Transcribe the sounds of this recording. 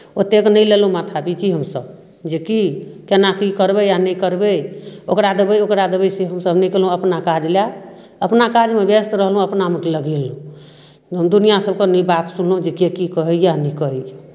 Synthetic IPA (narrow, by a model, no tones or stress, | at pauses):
ot̪ːeknəjlelɦũmat̪ʰabit͡ʃiɦəmsəb | d͡ʒekikenakikəɾbejanəjkəɾbeokɾad̪əbəjokɾad̪əbəjseɦəmsəbnəikelɦũəpnakad͡ʒlja | əpnakad͡ʒmebest̪ɾəɦlɦũəpnamekeləɡilɦũ | ɦəmd̪unijasəb̚kenibat̪sunlɦũd͡ʒekekikəɦɛjanikəɦɛja